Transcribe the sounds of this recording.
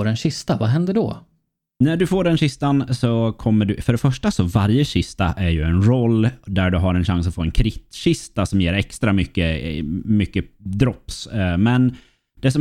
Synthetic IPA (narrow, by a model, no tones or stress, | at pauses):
ɖɛnɕɪst̪avaɦɛnd̪əɖɔ | næɖɵfoːɖɛnɕɪst̪ansɔkʰɔmːəɖɵfœɖɛfœʂʈasɔvaɾjəɕɪst̪aʔæɾjɵɛnɾɔlːd̪æɖɵɦaɾɛnɕaŋsat̪foːɛnkʰɾɪt̪ːɕɪst̪asɔmjeːɾɛkst̪ɾamʏkːəmʏkːəd̪ɾɔpsmɛn | d̪̥ɛs̬ɔ